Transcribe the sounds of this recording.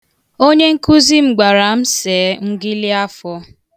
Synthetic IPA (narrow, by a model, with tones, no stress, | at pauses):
o˦ɲe˦ŋ̩˦ku˦zi˦m̩˨ɡ͡ba˨ɾa˨m̩˦se˨˦ŋ̩˦ɡɪ˦lɪ˦a˦fɔ˦